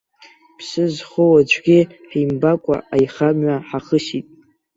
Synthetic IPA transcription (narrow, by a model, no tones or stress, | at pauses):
pʰsɨzχowad͡ʒʷʰʼɡʲiħimbakʷʼa̰ajχamɥaħaχəʃitʼ